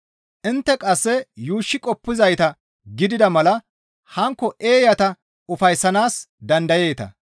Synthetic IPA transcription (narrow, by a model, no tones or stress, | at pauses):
ʔɪnt̪ːɛkʼɐsːɛjuːʃːɪkʼɔpːɪzɐjt̪ɐ | ɡɪd̪ɪd̪ɐmɐlɐ | hɐŋkːɔʔeːjɐt̪ɐ | ʊfɐjsːɐnaːsd̪ɐnd̪ɐje̞ːt̪ɐ̰